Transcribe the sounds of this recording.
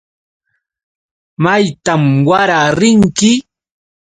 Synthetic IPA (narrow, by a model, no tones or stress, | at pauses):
majt̪amwaɾaɾɪŋkɪ